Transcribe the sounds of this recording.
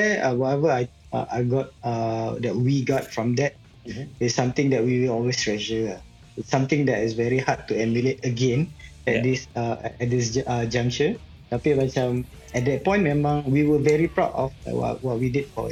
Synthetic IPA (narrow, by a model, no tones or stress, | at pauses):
ɛʌwɔtɛvəaɪ | ʌ̰ʔaɪɡɔt̚ʌdɛt̚wiɡɔt̚fɹɔ̃mdɛt̚ | ɪsːãmt̪ɪ̃ŋdɛt̚wiwɪlɔlwestɹɛd͡ʒəa | ɪtsːãmt̪ɪ̃ŋdɛtɪsvɛɹihad̚tːuɛmjuletəɡẽnɛt̚dɪsʌ̰ɛt̚dɪs̬d͡ʒʌd͡ʒãŋt͡ʃə | apemãt͡ʃam | ɛt̚dɛt̚pɔ̃ɪ̃nmɛ̃mãŋwiwəvɛɹipɹaʊtɔ̰fwɔ̰ʔwɔt̚widid̚fɔ̰